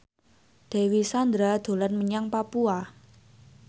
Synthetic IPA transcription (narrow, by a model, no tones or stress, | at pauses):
d̪̥e̤wisand̪ɾad̪̥o̤lanməɲaŋpapua